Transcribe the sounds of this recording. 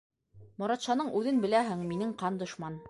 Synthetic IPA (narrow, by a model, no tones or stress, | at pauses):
mŏɾɑt̪ʃɑnɤɴʉðɘnbɘ̆læɦɘŋminɘɴqɑnd̪ŏʃmɑn